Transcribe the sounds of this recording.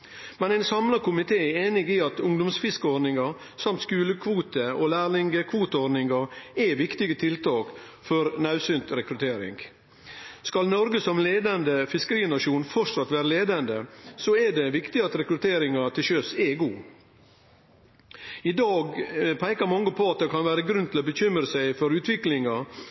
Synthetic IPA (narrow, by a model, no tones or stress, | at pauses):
mɛnæɪnsɑmlɑkʊmɪt̪ʰeːeːnɪɡiɑt̪ʊŋd̪ʊmsfɪskəɔɾdnɪŋɑ | sɑmt̪skʉːləkʰʋuːt̪əolæːɾlɪŋɡəkʰʋuːt̪əɔd̪nɪŋɡɑɾɛʋɪkt̪ɪɡət̪ʰɪlt̪ʰɑːk | fɔɾnɑʉsʏnt̪ɾɛkɾʉt̪ʰeːɾɪ̰ŋɡ | skɑlnɔɾɡəsɔmleːd̪ɑnd̪əfɪskəɾiːnɑʂuːnfɔɾsɑt̪ʋæːɾəleːd̪ɑnd̪əsɔɛɖɛʋɪkt̪ɪɑt̪ɾɛkɾʉt̪ʰeːɾɪŋɑt̪ʰɪlɕøsɛɡuː | ɪd̪ɑːɡpʰæɪkɑɾmɑŋːəpʰoɑt̪̚d̪ɛkʰɑnʋæːɾəɡɾʉnt̪ʰɪlɔbəçʏmɾəsæɪfɔɾʉːt̪ʰʋɪklɪŋɑ